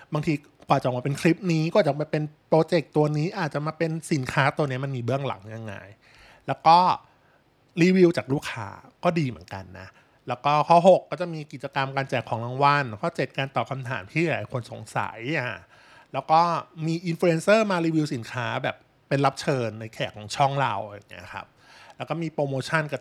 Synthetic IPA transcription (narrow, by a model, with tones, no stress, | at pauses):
baː˧ŋt̪ʰiː˧ | kʰwaː˨˩t͡ɕa˨˩maː˧pe˧nkʰli˦˥p̚niː˦˥kɔ˥˩˨t͡ɕmaː˧˩pe˧npɾoː˧t͡ɕe˨˩k̚t̪u˧ɐniː˦˥ʔaː˨˩t̪̚t͡ɕa˨˩ʔmaː˧pe˧nsi˩˦nkʰaː˦˥t̪u˧ni˦˥ɐma˧nmiː˧bɯ˥˩əŋla̰˨˩˦ŋja˧ŋːa̰ː˧j | lɛː˦˥wkɔː˥˩ | ɾiː˧wi˧wt͡ɕaː˨˩k̚luː˥˩kʰːa̰ː˦kɔː˥˩diː˧mɯ˩˦ənka̰˧nːa̰˦˥ | lɛː˦˥wkɔː˥˩kʰɔ˦˥˩ɦo˨˩kːɔː˥˩t͡ɕa˨˩miː˧ki˨˩t̪̚t͡ɕa˧ka˧mkaː˧nt͡ɕɛː˨˩kʰːɔː˩˦ŋla˧ŋwa˧˥˩nkʰɔː˥˩t͡ɕe˨˩t̪̚kaː˧nt̪ɔː˨˩kʰa˧mt̪ʰa̰ː˩˦mt̪ʰiː˥˩bɛː˨˩˧kʰo˧nso̰˨˩˦ŋsa̰˨˩˦ja˧˩ | lɛː˦˥wkɔː˥˩miː˧ʔi˧nfu˧e˧nsɤː˥˩maː˧ɾiː˧wi˧wsi˩˦nkʰaː˦˥bɛː˨˩pːe˧nla˦˥p̚t͡ɕʰɤː˧nːa˧jkʰɛː˨˩kʰːɔː˨˩˦ŋt͡ɕʰɔ˥˩ŋla̰˧wja̰˨˩ŋːi˦˥ɐ˧kʰa̰˦˥p̚ | lɛ˦˥wkɔː˥˩miː˧pɾoː˧moː˧t͡ɕʰa˥˩nka˧˩